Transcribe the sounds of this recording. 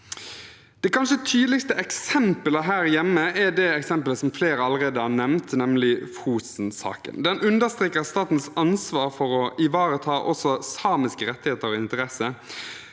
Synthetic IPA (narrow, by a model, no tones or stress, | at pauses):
d̪̥ɛkʰɑnʃət̪ʰyːd̪lɪɡst̪əʔɛksɛmpələɦæːɾjɛmːəɛd̪ɛɛksɛmpələsɔmfleːɾəɑləʁeːd̪əhɑʁnɛmnt̪nɛmlɪfuːsn̩sɑ̰ːkə̰nd̪ɛnʔʉnd̪əst̪ʁeːkəʁst̪ɑːt̪n̩sɑnsʋɑːɾfɔɾɔʔɪʋɑːɾət̪ʰɑːʔɔsɔsɑːmɪskəɾɛt̪ːɪheːt̪əɾɔɪnt̪əɾɛsə